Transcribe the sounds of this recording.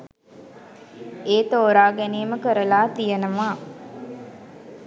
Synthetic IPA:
eːt̪oːɾaːɡæneːməkəɾəlaːt̪ijənəʋaː

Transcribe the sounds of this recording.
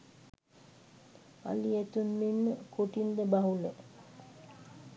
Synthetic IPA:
a̰liet̪unːinːəkoʈind̪əbaɦule

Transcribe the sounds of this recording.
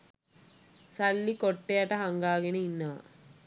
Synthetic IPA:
sɐlːikoʈːeɐʈɐɦɐŋɡaːɡineinːaː

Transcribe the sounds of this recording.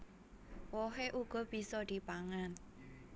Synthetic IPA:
wɔɦeʔuɡ̥ɔ̤b̥i̤sɔd̪̥i̤paŋan

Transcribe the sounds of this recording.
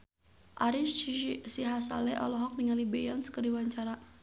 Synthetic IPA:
ʔaɾissiɦasa̰lɛʔɔ̰lɔɦɔk̚niŋalibejɔnskədiwaɲt͡ʃaɾa

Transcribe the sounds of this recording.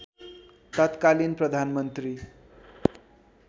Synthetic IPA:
t̪ʌt̪kalinprʌd̪ʱanmʌnt̪ri

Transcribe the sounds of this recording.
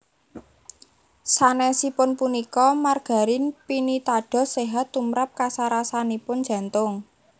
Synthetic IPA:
sanɛsipʊnpunikɔmarɡ̥a̤ɾɪnpinit̪aɖ̥ɔ̤seɦat̪ːumɾap̚kasaɾasanipʊn̥ʒ̥ä̤nt̪ʊŋ

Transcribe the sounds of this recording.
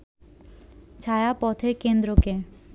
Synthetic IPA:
t͡ɕʰajapɔt̪ʰekend̪ɾoke

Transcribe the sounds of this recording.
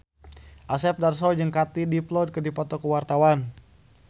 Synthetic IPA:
ʔasɛp̚darsɔd͡ʒɨŋkat̪idiplɔd̚kədipɔt̪ɔkəwart̪awan

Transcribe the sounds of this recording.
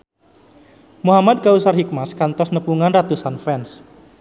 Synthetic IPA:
muɦamad̪̚ɡausarɦik̚maskant̪ɔsnəpuŋanrat̪usanfɛns

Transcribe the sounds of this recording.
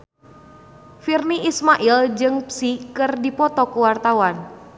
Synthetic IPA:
firniʔismaʔild͡ʒɨŋpsikərdipɔt̪ɔkuwart̪awan

